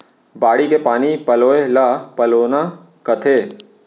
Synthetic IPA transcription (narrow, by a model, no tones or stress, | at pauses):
baːɽikepaːnipɐloːelapɐloːna | kɐt̪ʰeː